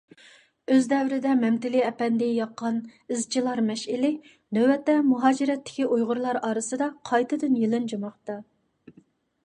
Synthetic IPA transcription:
øzd̪ɛwɾɪd̪ɛmɛmt̪ɪliɛpɛnd̪ɪjɑqːɑnɪzt͡ʃʰilˠɑɾmɛʃɪlɪ | nøwɛt̪ːɛmuɦɑːd͡ʒiɾɛt̪ːɪ̥kʲiʔujʁʊɾlˠɑɾɑːɾɨsɨd̪ɑqʰɑjt̪ɨd̪ynjielˠɨnd͡ʒɑmɑqt̪ɑ

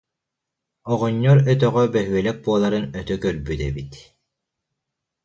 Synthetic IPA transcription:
ɔʁɔɲːɔɾœt̪̬œʁœbɛɦyɛlɛk̚buɔlˠaɾɯnœt̪œkœlbyt̪ɛbit̪

